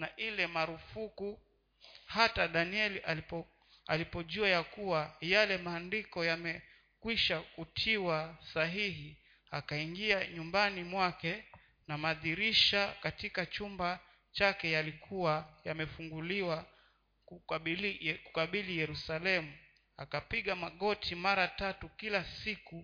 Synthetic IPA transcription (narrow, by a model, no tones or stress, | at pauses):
naʔilɛmaɾufuku | hataɗaniɛlia | alipɔʄuajakuwajalɛmaːndikɔjamɛ | kwiʃakutʰiwasaɦiɦi | akaiŋɡiaɲumbanimwakɛ | namaðiɾiʃakatikat͡ʃumba | t͡ʃakɛjalikʰuajamɛfuŋɡuliwa | ku | ku̥kaɓilijɛɾusalɛmu | akapiɠamaɠɔtʰimaɾatatukilasiku